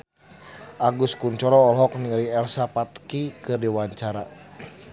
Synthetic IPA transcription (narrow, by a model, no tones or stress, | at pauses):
ʔaɡuskuɲt͡ʃɔɾɔːlɦɔk̚niŋaliɛlsapat̪kikɨrdiwaɲt͡ʃaɾa